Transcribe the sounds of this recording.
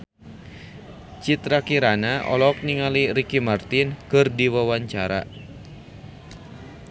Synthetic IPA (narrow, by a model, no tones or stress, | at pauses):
t͡ʃit̪ɾakiɾanaʔɔ̰lɔk̚niŋaliɾikimart̪inkɨrdiwawaɲt͡ʃaɾa̰